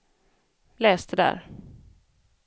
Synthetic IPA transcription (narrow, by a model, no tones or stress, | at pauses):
lɛːst̪əd̪æ̰ɾ